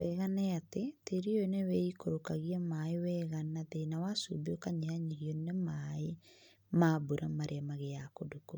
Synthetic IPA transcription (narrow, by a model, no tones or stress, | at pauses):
ɛɣanɛateteɾionɛwɛikoɾokaɣiamaewɛɣanaðenawasubeokaɲeaɲiɣjonɛmae | mabuɾʔamaɾʔeamaɣeakodoko